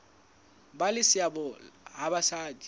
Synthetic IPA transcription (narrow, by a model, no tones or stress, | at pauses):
balɪsɪabɔɦabasaːdi̥